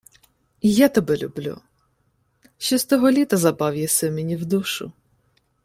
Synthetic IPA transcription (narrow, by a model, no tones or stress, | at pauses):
jat̪ɐbɛlʲublʲṵ | ʃt͡ʃɔst̪ɔɦɔlʲit̪ɐzɐbɑwjɛsɛmʲenʲiwd̪uʃʊ̰